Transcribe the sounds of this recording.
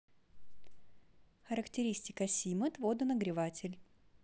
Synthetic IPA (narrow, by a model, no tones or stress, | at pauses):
xəɾəktʲɪɾʲisʲtʲɪkəsʲimət̪vod̪ɨnəɡɾʲɪvatʲɪlʲ